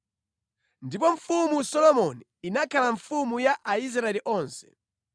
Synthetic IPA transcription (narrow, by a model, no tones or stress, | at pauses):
ndipɔɱfumusɔlɔmɔniːnakʰalaɱfumujaʔais̬ɾaɛliʔɔːnsɛ̥